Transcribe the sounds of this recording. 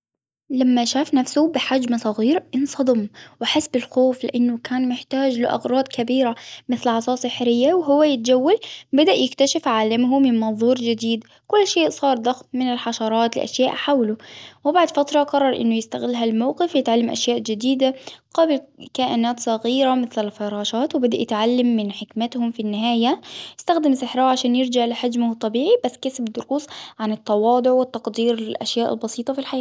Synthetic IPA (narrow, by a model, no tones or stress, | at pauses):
lamːaʃaːfnafsʊbɪħad͡ʒmsˤɑɣiːɾʔɪnsˤɑd̪ˤɨmwaħɪsbɪlxoːflɪ̰ʔanːʊkaːnmɪħt̪aːd͡ʒlɪʔɑ̰ɣɾˤɑːd̪ˤkabiːɾamɪθlʕɑsˤɑːsˤɪħɪɾɪjːawɦʊwːajɪt̪ad͡ʒawːalbad̪aʔjɪkt̪aʃɪfʕaːlamɦʊmɪnmɑnðˤuːɾd͡ʒɪd̪iːd̪ | kʊlːʃeːʔsˤɑːɾˤd̪axmmɪnɪlħɑʃɑɾˤɑːt̪lɪ̰ʔa̰ʃjaːʔħawlʊwɪbaʕd̪fat̪ɾˤɑqɑrˤːɑɾˤʔɪ̰nːʊjɪst̪aɣɪlːɦalmawqɪfjɪt̪ʕalːamʔa̰ʃjaːʔd͡ʒɪd̪iːd̪aqɑblkaːʔɪnaːt̪sˤɑɣiːɾamɪθlɪlfɑɾˤɑːʃɑːt̪wɪbɪd̪aʔjɪt̪ʕalːamːɪnħɪkmɪt̪hʊmfinːɪɦaːjajɪst̪axd̪ɪmsɪħɾˤɑːʕaʃaːnjɪɾd͡ʒaʕlɪħad͡ʒmht̪ˤːɑbiːʕibasːkasbd̪ʊɾuːsˤʕanɪt̪ːɑwɑːd̪ˤʊʕwɪt̪ːɑqd̪iːɾɪlʔa̰ʃjaːʔɪ̰lbɑsiːt̪ˤɑfilħajaː